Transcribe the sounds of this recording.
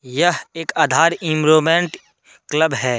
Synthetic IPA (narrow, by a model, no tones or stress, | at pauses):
jəɦeːkaːd̪ʱaːɾɪmɾoːmẽːɳʈ | kləbɦɛː